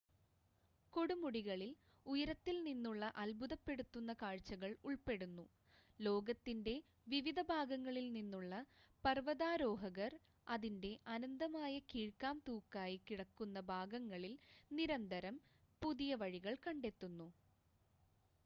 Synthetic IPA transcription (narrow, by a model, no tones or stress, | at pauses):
ko̞ɽumuɽiɣɐɭil | ujɐɾɐt̪ːilninːuɭːɐʔɐlbʱuðɐpːe̞ɽut̪ːunːɐkaːɻt͡ɕːɐɣɐɭuɭpe̞ɽunːu | lo̞ːɡɐt̪ːinde̞ | ʋiʋid̪ɐbʱaːɡɐŋːɐɭilninːuɭːɐpɐrʋɐðaːɾo̞ːɦɐɣɐr | ɐðinde̞ʔɐnɐnd̪ɐmaːjɐkiːɻkːaːmt̪uːkːaːjikiɽɐkːunːɐbʱaːɡɐŋːɐɭilniɾɐnd̪ɐɾɐm | puðijɐʋɐɻiɣɐɭkɐɳɖe̞t̪ːunːu